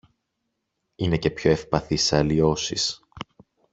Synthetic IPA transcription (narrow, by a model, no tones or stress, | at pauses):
ine̞ce̞pço̞e̞fpɐθisɐlio̞sḭs